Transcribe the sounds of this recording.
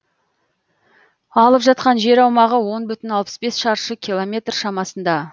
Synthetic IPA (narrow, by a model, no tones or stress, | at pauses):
ɑlˠəpʒɑt̪̚qɑnʒe̞ɾɑwmɑʁəwo̞nbʏt̪ɪnɑlˠpə̥sbe̞sʃɑɾʃəkʲʰilˠomʲe̞t̪rʃɑmɑsənd̪ɑ